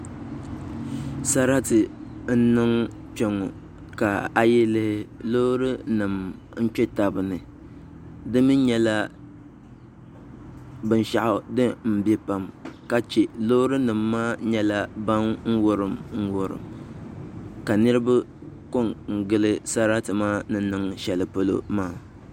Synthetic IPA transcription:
sa˦ɾa˦tɨ˨n̩˦nɨ˦ŋ | t͡ʃɛ˦˨ŋo˨ | ka˨a˨jɛ˦lɨ˦hɪ˦lo˦ɾɨ˦nɨ˨m | n̩˦t͡ʃɛ˦ta˨bɨ˨nɨ˨ | dɨ˦mɨ˦ɲɛ˦la˦ | bɨ˨n˦ʃa˨ʔʊ˨dɨ˦m̩˨bɛ˦pa˨mka˨t͡ʃe˨lo˦ɾɨ˦nɨ˨mːaː˦ɲɛ˦la˦ba˦nŋ̩˦wo˦ɾɨ˨mŋ̩˦wʊ˨ɾɨ̰˨m | ka˨nɨ˦ɾɨ˦ba˦ | ko˦ŋŋ̩˨ɡɨ˦lɨ˦sa˦ɾa˦tɨ˨ma˦nɨ˦nɨ˦ŋʃɛ˨lɨ˨po˦lo̰˦maː˦˨

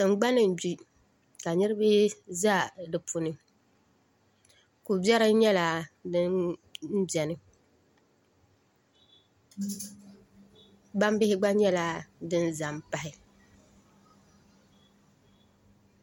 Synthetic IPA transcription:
sɨ˨m˦ɡ͡ba˦nɨ˨n˨bi˦ | ka˨ɲɨ˦ɾɨ˦be˦za˦˨dɨ˨pʰu˨nɨ˨ | ku˨bɛ˦ɾɨ˦ɲɛ˦la˨dɨ˦n̩˦ | bɛ˨nɨ˨ | ɡ͡ba˦m˦bɪ˦hɪ˦ɡ͡ba˦ɲɛ˦la˨dɨ˦n˦za˨mpa˨hɪ˨

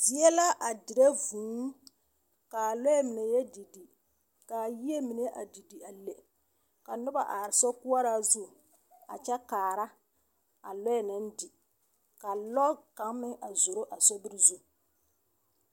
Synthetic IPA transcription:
di˦ɛ˦la˦ʔa˨dɪ˨ɾe˦vuː˨˦ŋ˦ | ka˨lɔ˦ɛ˦mɪ˨ne˨jɛ˦di˨di˨ | ka˨ji˦e˦mi˨ne˦ʔa̰˨di˨di˨a˨le˨ | ka˨nʊ˦ba˨ʔaː˨ɾɪ˨sɔ˦ku˦a˦ɾa˦zu˦˨ | a̰˨t͡ʃɛ˦kaː˨ɾa˦ | a˨lɔ˦ɛ˨nɪ˦n˦di˨ | ka˨lɔ˦ka˨ŋ˦mɪ˦ʔa˨zo˨ɾo˦ʔa˨sɔ˦bɪ˦ɾi˦zu˦

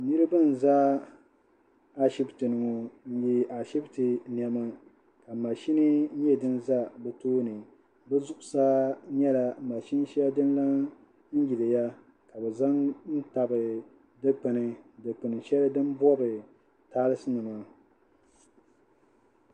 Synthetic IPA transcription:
nɨ˦ɾɨ˦bɨ˦n̩˨za˦ | a˦ʃi˦btɨ˨nɨ˨ŋo˨n̩˦ji˦a˨ʃi˦btɨ˨ni˨ɛ˨ma˦ | ka˨ma˨ʃi˦ni˦ɲɛ˦dɨ˦nza˦bɛ˨toː˦nɨ˨ | bɛ˦zʊ˦ʔʊ˨sa˦ɲɛ˦la˨ma˨ʃi˦n˦ʃi˦a˦dɨ˦nla˦ŋ | n̩˦ji˨dɨ˨ja˦ | ka˨bɛ˨za˦ŋn̩˦ta˨bɨ˨ | dɨ˦k͡pɨ˨nɨ˨dɨ˨k͡pɨ˨nɨ˨ʃɛ˦lɨ˦dɨ˦m˦bɔ˦bɨ˨ | taː˦lɨ˦sɨ˦nɨ˨ma˨

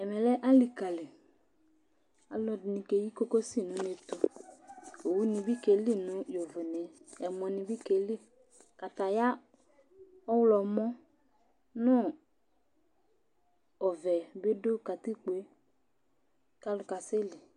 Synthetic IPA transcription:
ɛ˨mɛ˨lɛ˦ʔa˦li˨ka˨le˨ | a˨lɔ˧dnĩ˧ke˨ji˦ko˦ko˦si˦˨nʊ̃˨˦ne˧tʊ˨ | o˨wu˦nɪ̃˧bi˦ke˨li˦˨nʊ̃˨˦jo˨vʊ˨nɛ˨ɛ˨mɔ˨nɪ̃˧bi˦ke˨li˦˨ | ka˨ta˨ja˦ | ɔ˦wlɔ˨mɔ˦ | nʊ̃˦ | ɔ˨vɛ˨be˦do˦ka˨ti˦k͡pu˨e˨˦ | ka˦lʊ˨ka˨se˦lɪ˨

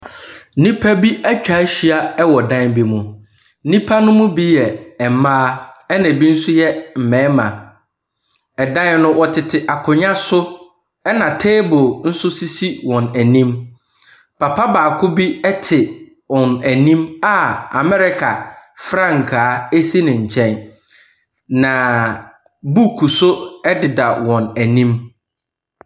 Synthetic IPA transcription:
nĩ˦pʰa˦bi˦æ˦t͡ɕᶣa˨˦ɕi˦a˦ɛ˦wɔ˨dã˦nbi˦mũ˨˦ | nĩ˦pʰa˦nʊ̃˦mʊ̃˦bi˦jɛ˨ɛ˨mãː˦ɛ˦nã˨bi˦n̩˦sʊ˦jɛ˦m̩˨mɛ̃ː˨˦mã̰˨ | ɛ˨dã˦nʊ̃˦wɔ˦tʰɪ˨tʰɪ˨ʔa˨kʰʊ̃˨ɲã˦sʊ˦ | ɛ˦nã˨tʰe˦bʊ˨n̩˦sʊ˦si˦si˦wɔ̃˨næ˨nĩ˦m | pʰa˨pʰa˦baː˨kʰʊ˦bi˦ɛ˦tʰɪ˨ | wɔ̃˨næ˨nĩ˦ma˨a̰˨mɛ˦ɾɪ˦kʰa˨fɾã˦˨ŋ̩˨kʰaː˨˦e˦si˦nɪ̃˨ɲ̩˨t͡ɕʰɛ̃˦n | nã˨ | bu˦˨kʰu˨sʊ˦ɛ˦dɪ˨da˨wɔ̃˨næ˨nĩ˦m

